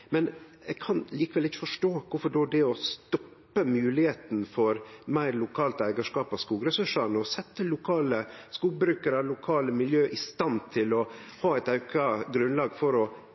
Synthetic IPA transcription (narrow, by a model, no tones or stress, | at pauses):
mɛnɛkʰɑnliːkəʋɛlɪçəfɔʂʈoːkʊfɔɖoːæɖɛɔst̪ɔpː | əmʉːlɪheːt̪n̩fɔɾmæɪɾlʊkʰɑːlt̪æɪɡəʂkɑːpɑskuːɡɾɛsʉʂɑnɔsɛt̪ːəlʊkʰɑːləskuːɡbɾʉːkəɾɑlʊkʰɑːləmɪljøːʔɪst̪ɑnt̪ʰɪlɔhɑːæɪt̪ɑʉkʰɑɡɾʉnlɑːɡfɔɾɔ